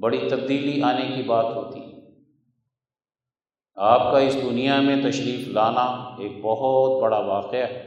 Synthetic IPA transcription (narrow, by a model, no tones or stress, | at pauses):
bɐɽit̪ɐbd̪iːliaːnekibaːt̪ɦoːt̪i | aːp̚kaɪsd̪ʊnijamẽt̪ɐʃɾiːflaːnaeːk̚bɐɦʊt̪̚bɐɽaʋaːqeaɦɛ